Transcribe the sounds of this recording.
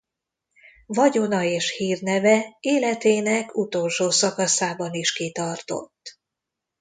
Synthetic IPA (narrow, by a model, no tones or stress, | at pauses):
vɒɟo̞nɒeːʃhiːrnɛvɛeːlɛt̪eːnɛkʰut̪o̞lʃoːsɒkɒsaːbɒniʃkit̪ɒrt̪o̞̰t̪ː